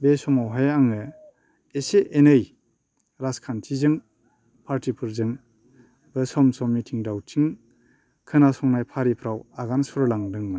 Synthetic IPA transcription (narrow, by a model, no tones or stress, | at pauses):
besɔmawɦajaŋɯ | eseʔenɯj | ɾaskʰantʰizɯŋ | pʰaɾtʰipʰɯɾzɯŋ | bɯsɔmsɔmitʰiŋdawtʰiŋ | kʰɯnasɔŋnajpʰaɾipʰɾawaɡansɔɾlaŋdɯŋman